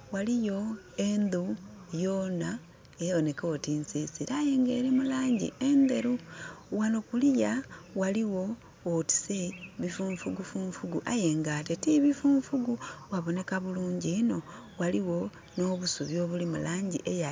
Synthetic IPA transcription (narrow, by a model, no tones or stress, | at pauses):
walijo̞ | e̞nd̪u | jo̞ːna | eone̞ko̞tinsiːsiɾajeŋɡe̞̰ɾemulaːɲɟḭend̪e̞ɾuwanokulijawaliwo̞ː | ti̥seβifuːɱfuɡufuːɱfuɡuʔaje̞ŋɡatetiβifuːɱfuɡuwaβo̞ne̞kaβuluːɲɟino̞waliwo̞ | no̞ːβusuβjo̞ːβulimṵlaːɲɟiʔeja